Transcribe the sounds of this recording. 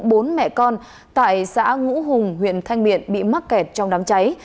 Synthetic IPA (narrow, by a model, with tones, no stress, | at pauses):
ɓo˨˦nmɛ̰˧˨kɔ˧n | t̪a̰ː˧˨jsa̰ː˧˥ŋṵ˧˥ɦʊ˨˩ŋ͡mɦwḭ˧˨ənt̪ʰa˧jŋ̟ɓḭ˧˨ənɓḭ˧˨ma˦˥t̚kɛ˨˩t̚t͡ɕɔ˧wŋ͡mɗaː˨˦mt͡ɕa˨˦j